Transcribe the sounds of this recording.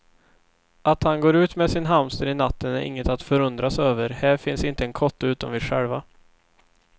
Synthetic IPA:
ʔat̪hanɡoːɾʉ̟ːt̪mɛsɪnɦamst̪əɾɪnat̪ːənæɾʔɪ̰ŋːət̪at̪fœɾɵnd̪ɾasøːvəɾhæːɾfɪnsɪnt̪əɛnkʰɔt̪ːəʉ̟ːt̪ɔmvɪɧɛ̰lva

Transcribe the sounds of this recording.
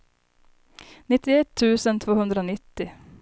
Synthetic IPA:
nɪt̪ːɪɛt̪ʰːʉːsənt̪ʰvoːhɵnd̪ɾəoːnɪt̪ːɪ

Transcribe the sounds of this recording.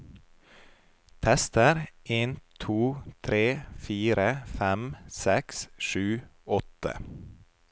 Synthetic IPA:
t̪ʰɛst̪əɾeːnt̪ʰuːt̪ʰɾeːfiːɾəfæmsɛksʃʉːɔt̪ə̰

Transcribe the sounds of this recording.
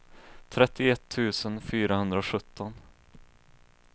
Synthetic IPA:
t̪ʰɾɛt̪ːɪɛt̪ʰːʉ̟ːsənfyːɾaɦɵnd̪ɾaɔɧɵt̪ʰːɔn

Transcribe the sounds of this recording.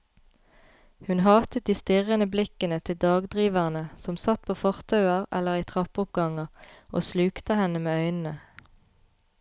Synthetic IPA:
hʉnhɑːt̪ət̪̚d̪iːst̪ɪʁənəblɪkənət̪ʰɪld̪ɑːɡd̪ʁiːʋæʁnəsɔmsɑt̪̚pʰoːfɔʁt̪ʰɑʉɑʁɛ̰ləʁiːt̪ʰʁɑpʊp̚ɡɑŋɑʔo̰ːslʉːkt̪əhɛnəmeːœʏnn̩ə

